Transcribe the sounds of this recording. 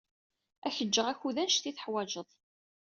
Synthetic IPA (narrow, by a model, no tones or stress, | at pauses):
æçəd͡ʒːəʁæçuðænʃθiθə̥ħwæd͡ʒəðˤ